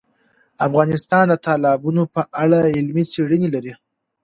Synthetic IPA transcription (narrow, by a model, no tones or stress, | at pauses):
afɣɑnɪst̪ɑnd̪ət̪ʰɑlɑbunopəʔaɽaɪlmit͡seɽənelaɾi